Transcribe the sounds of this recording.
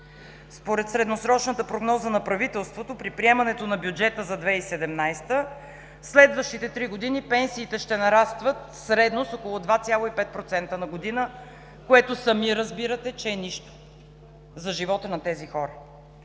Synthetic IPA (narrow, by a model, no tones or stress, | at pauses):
spoɾɛt̪sɾɛd̪nosɾɔt͡ʃnət̪əpɾoɡnɔzənɐpɾɐvit̪ɛlˠst̪vot̪opɾipɾiɛmɐnɛt̪onɐbjud͡ʒɛt̪əzɐd̪vɛisɛd̪ɛmnajst̪ə | slɛd̪vəʃt̪it̪ɛt̪ɾiɡod̪inipɛnsiːt̪ɛʃt̪ɛnɐɾast̪vət̪ | sɾɛd̪nosokolˠʊd̪vat̪sʲjalˠoipɛt̪̚pɾot̪sɛnt̪ənɐɡod̪inə | koɛt̪osɐmiɾɐzbiɾət̪ɛt͡ʃɛːniʃt̪o̥ | zɐʒivɔt̪ənɐt̪ɛzixɔɾə